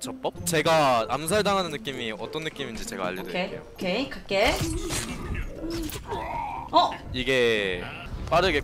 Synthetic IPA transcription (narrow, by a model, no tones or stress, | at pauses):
t͡ɕʌp͈ʌp̚t͡ɕe̞ɡaamsʰaɭdaŋɦanɯnːɯk͈imiʌt͈ʌnːɯk͈imind͡ʑit͡ɕe̞ɡa̰a̰ʎːjʌdeḛo̰okʰekak͈e | ʌiɡe̞ | p͈aɾɯɡe